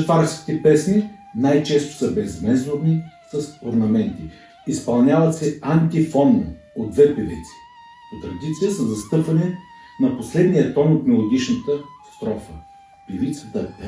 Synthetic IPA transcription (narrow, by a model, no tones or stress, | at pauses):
t̪faɾskʲi̥t̪ɛpɛsni | najt͡ʃɛst̪ʊ̥səbɛzmɛzoɾnisɐsoɾnɐmɛnt̪i | ispɐlˠnʲjavɐt̪sɛant̪ifɔnːo̰ | od̪ːvɛpivḭt̪si̥ | ot̪ɾɐd̪it̪sijəsɐzɐst̪ɤpvɐnɛ | nɐposlɛd̪nijət̪ɔnot̪̚miolˠoɡʲit͡ʃnət̪əst̪ɾɔfə | pivit̪sət̪ə